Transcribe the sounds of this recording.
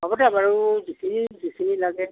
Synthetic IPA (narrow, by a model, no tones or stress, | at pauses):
ɔbɔtɛabaɹudisinidisinilaɡɛ